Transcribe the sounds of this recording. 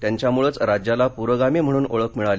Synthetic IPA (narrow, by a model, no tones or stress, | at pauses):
t̪jaɲt͡ɕjamuɭət͡sɾad͡ʑjalapuɾəɡamem̤əɽ̃uːnoɭəkmiɭale